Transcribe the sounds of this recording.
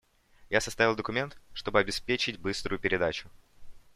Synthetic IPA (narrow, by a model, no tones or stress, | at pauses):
jasɐst̪avʲɪlˠd̪əkʊmʲe̞nt̪ʂt̪o̞bɨɐbʲɪspʲet͡ɕɪtʲbɨst̪ɾʊjʊpʲɪɾʲɪd̪at͡ɕʊ̥